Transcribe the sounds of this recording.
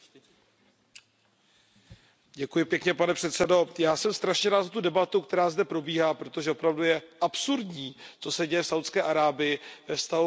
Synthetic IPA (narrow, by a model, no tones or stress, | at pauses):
ɟɛkujɪpjɛkɲɛpanɛpr̥ɛt̪sɛdo̞jaːsɛmst̪ɾaʃɲɛɾaːt̪zat̪udɛbat̪ukt̪ɛɾaːzdɛpɾo̞biːɦaːpɾo̞t̪o̞ʒɛo̞pɾavdujɛʔapsuɾdɲiːt͡so̞sɛɟɛjɛfsawt̪skɛːʔaɾaːbɪjɪvɛfst̪aɦu